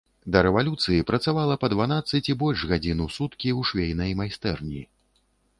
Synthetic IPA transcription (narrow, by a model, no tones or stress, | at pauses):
d̪ɐɾɛvalʲut̪sɨjipɾɐt̪savalˠɐpɐd̪vanat̪sːɨt͡sʲibɔlʲʐɣad͡zʲinusut̪kʲiwʂvʲejnɐjmajst̪ɛrnʲi